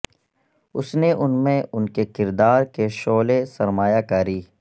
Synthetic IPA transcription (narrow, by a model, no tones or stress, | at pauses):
ʊsneʔʊnmẽʊnkekɪɾd̪aːɾkeʃoːlesɐɾmaːjakaːɾiː